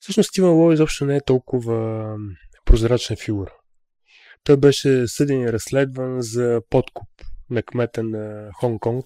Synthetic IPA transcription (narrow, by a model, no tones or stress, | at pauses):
fsɤʃnost̪ivənlˠɔvizɔpʃt̪ʊnɛɛt̪ɔlˠkʊvə | pɾozɾat͡ʃnəfiɡuɾə | t̪ɔjbɛʃɛsɤd̪ɛniɾɐslɛd̪vənzɐpɔt̪kʊ̥pnɐkmɛt̪ənɐxɔŋkɔŋk